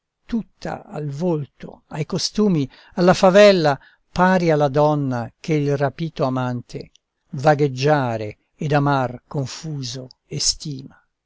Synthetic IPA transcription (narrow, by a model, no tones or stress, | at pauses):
t̪ut̪ʰːa̰a̰lvolt̪o̰ajkost̪uːmi | alːafavɛlːa | paːɾialːad̪ɔnːakeilrapiːt̪oamant̪ʰḛ | vaɡed͡ʒːaːɾeː | d̪amarkoɱfuːzoest̪iːma